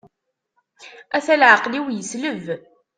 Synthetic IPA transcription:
æθælʕəqliwjəsləv

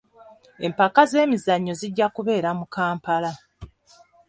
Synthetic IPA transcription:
e̞mpakaze̞ːmizaɲːo̞ziɟːakuβe̞ːɾamukaːmpala

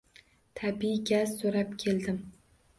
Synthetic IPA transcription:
t̪ʰabiɡʲazsoɾap̚kʲʰeld̪ɪm

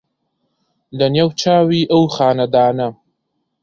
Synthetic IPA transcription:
lɐnjeːwt͡ʃʰaːwiːʔɐwxaːnɐd̪aːnɐ

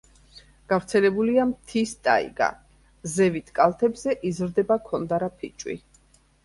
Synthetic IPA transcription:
ɡ̥avɾt̪sʰɛlɛbuliamt̪ʰist̪ʼa̰ḭɡa̰ | zɛvit̪ʰkʼalˠt̪ʰɛbzɛʔizɾd̪ɛbakʰɔnd̪aɾapʰit͡ʃʼwḭ

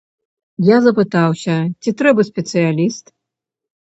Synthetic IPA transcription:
jazɐpɨt̪awsʲɐt͡sʲit̪ɾɛbɐsʲpʲɛt̪sɨjalʲist̪

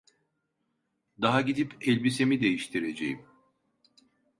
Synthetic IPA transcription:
d̪aɦaɟid̪ipʰɛlʲbisemid̪e̞jiʃt̪ʰiɾe̞d͡ʒḛjim

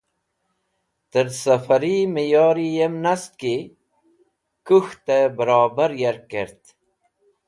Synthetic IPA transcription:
t̪əɾsəfɐɾiməjɑːɾijemnaski | kuxt̪ebəɾɑːbəɾjeɾkeɾt̪

